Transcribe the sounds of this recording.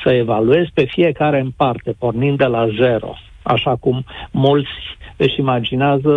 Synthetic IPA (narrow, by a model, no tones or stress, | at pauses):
səe̞value̞zpe̞fie̞kaɾe̞ɨmpart̪e̞po̞rnind̪d̪elaze̞ɾo̞̰ | a̰ʃakumːult̪sʲeʃimad͡ʒineazə